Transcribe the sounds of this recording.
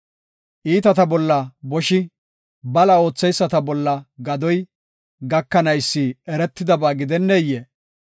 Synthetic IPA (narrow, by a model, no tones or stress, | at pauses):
ʔiːt̪ɐt̪ɐbɔlːɐbɔʃɪ | bɐlɐo̞ːt͡sːɛjsːɐt̪ɐbɔlːɐɡɐd̪ɔj | ɡɐkːɐnɐjsːiɛɾɛt̪ːɪd̪ɐbaːɡɪd̪ɛnːejːe